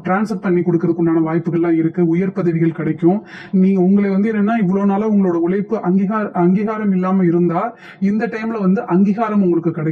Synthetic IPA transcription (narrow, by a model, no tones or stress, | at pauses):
ʈɾaːnsɐɾpɐɳːikɔɽɯkːɾɐðɯkːʊɳɖaːnɐʋaːjpːɯɣɐɭlãːɪɾɯkːɯʊjɐɾpɐðɐɽɪɣɐɭkɪɽɐɪkːʊ̃nĩːŋɐʊŋɡɐɭeʋɐnd̪ɯɛnːnːaːɪʋːɐɭoːnaːlɐʊŋɡɐɭoːɽɐʊɭɐɪpːɯʔɐŋɡiɣaːɾɐŋɡiːɣaːɾɐmɪlːaːmɐɪɾɯnd̪aː | ɪnd̪ɐʈɐɪmɪlɐʋɐnd̪ɯʔɐŋɡiːɣaːɾɐmʊŋɡɐɭɯkːɯkːɪɽɐkː